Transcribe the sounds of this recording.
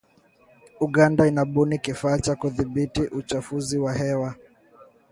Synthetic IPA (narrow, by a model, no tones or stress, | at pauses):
uɠandainaɓunikifaːt͡ʃakuðiɓitiʔut͡ʃafuziwahɛwa